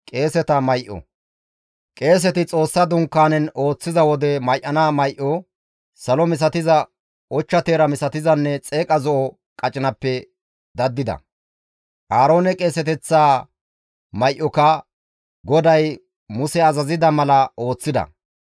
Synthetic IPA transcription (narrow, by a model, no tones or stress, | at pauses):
kʼe̞ːsɛt̪ɐmɐjʔɔ̰ | kʼe̞ːs̬ɛt̪ɪt͡sʼo̞ːsːɐd̪ʊŋkːaːnɛno̞ːt͡sːɪzɐwɔd̪ɛmɐjʔːɐnaːmɐjʔɔ | sɐlɔmɪs̬ɐt̪ɪzɐ | ɔt͡ʃːɐt̪e̞ːɾɐmɪsɐt̪ɪzɐnːɛt͡sʼe̞ːkʼɐzɔʔɔ | kʼɐt͡ʃʼɪnɐpːɛ | d̪ɐd̪ːɪd̪ɐ̰ | ʔaːɾo̞ːnɛkʼe̞ːsɛt̪ɛt͡sːaː | mɐjʔɔkɐ | ɡɔd̪ɐj | mʊsɛɐzɐzɪd̪ɐmɐlɐʔo̞ːt͡sːɪd̪ɐ̰